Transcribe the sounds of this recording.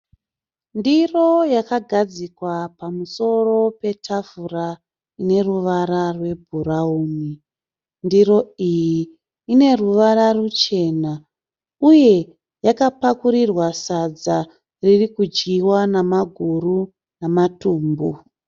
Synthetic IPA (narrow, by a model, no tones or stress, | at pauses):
ndiro̞jakaɡʱad͡zikwapamuso̞ro̞pe̞tʰafura | ine̞ruʋaɾarwe̞bʱurauːni | ndiɾo̞ijiː | ne̞ruʋararut͡ʃe̞ːna | uje̞ | jakapakuɾirwasad͡za | ririkud͡ʒɡiwanamaɡʱuru | namatuːmbu